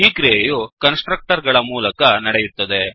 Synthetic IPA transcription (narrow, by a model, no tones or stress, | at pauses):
iːkɾiejukɐnsʈɾɐk̚ʈɐɾɡɐɭɐmuːlɐkɐnɐɽejuɾt̪ːɐd̪e̞